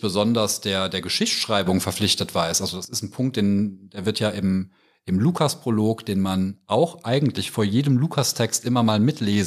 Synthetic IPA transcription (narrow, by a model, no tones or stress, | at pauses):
b̥əzɔndɐsd̥eːɐdeːɐɡəʃɪçʃʁ̥aɪbʊŋfɛɐflɪçtətv̥aːɐɪsʔalzod̥asɪstn̩pʰʊŋk̚t̚d̥eːnd̥eːɐvɪɐtjaːʔɪm | ʔɪmluːkʰaspʁ̥oloːkd̥eːnmanʔaʊxʔaɪɡŋ̩tlɪçfoːɐjeːdəmluːkʰastʰɛkstʔɪmɐmaːlmɪtʰleːz